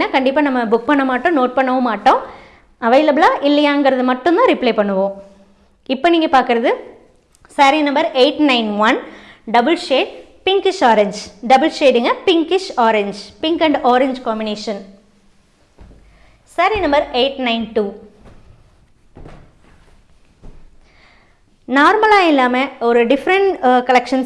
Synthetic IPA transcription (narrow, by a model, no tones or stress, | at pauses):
nːaːkɐɳɖɪpːaːnɐmːɐbʊk̚pɐɳːɐmaːʈːõːnoːʈ̚pɐɳːɐʋõmaːʈːõː | ɐʋɐɪlɐblaːʔɪlːɐjaːŋɡɪɾɐðɯmɐʈːʊnd̪ãːɾɪpleːpɐɳːɯʋõː | ɪpːoːniːŋɡɐpaːɾkɯɾɐðɯ | sɐɾinɐmbɐɾeːʈnɐɪnʋɐnɖɐbɐlʂeːɖ | pɪŋkɪʂoːɾɛɲd͡ʒɖɐbɐlʂeːɖɯŋɡɐpɪŋkɪʂɔːɾɛɲd͡ʒpɪŋkɐɳɖoːɾɛɲd͡ʒkaːmbɪneːʂɐn | sɐɾinɐmbɐɾeːʈnɐɪnʈuː | naːɾmɐlaːɪlːaːmɐɔɾɯɖɪfɾɐɳʈkɐlɛkʂɐns